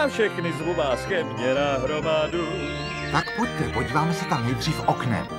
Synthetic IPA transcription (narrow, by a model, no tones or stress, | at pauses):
afʃɛxnɪzɾubaːskɛmɲɛɾaɦɾomadu | t̪akpuct̪ɛpoɟiːvaːmɛsɛt̪amnɛjd̪r̝iːfʔoknɛ̰